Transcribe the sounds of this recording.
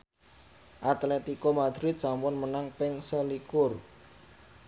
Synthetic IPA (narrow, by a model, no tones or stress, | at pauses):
ʔat̪lɛt̪ikomad̪̥ɾɪt̪̚sampʊnmənaŋpɪŋsəlikʊr